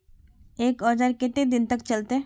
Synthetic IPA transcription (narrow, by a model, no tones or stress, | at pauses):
eːkɔːd͡ʒaɾkɪt̪ed̪ɪnt̪ɐk̚t͡ʃɐlt̪e